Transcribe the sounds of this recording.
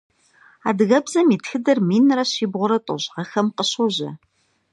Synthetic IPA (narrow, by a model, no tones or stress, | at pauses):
aːdɨɣɐbzɐmiːtxɨdɐrmiːnrɐɕiːbʁʷʊɾɐtʷʼo̰ʑʁɐxɐmqəɕoʑɐ̰